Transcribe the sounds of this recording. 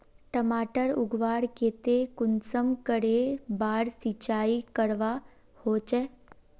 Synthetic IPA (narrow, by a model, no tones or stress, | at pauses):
ʈəmaʈəɾuɡʋaɽket̪ekunsəmkəɽebaɾsit͡ɕaikəɽʋa | hot͡ʃe